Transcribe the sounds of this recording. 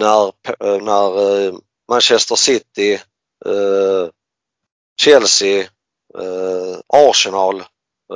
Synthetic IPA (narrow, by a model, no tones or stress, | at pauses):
næɾpʰnæɾ | manɕɛst̪əʂɪt̪ːɪ | ɕɛlsɪ | ɑːɾʂɛnɑːl